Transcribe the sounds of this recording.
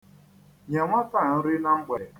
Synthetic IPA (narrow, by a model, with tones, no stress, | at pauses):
ɲa˨ŋʷa˦ta˦˨n̩˦ɾɪ˦na˦ŋ͡m̩˦ɡ͡be˨˦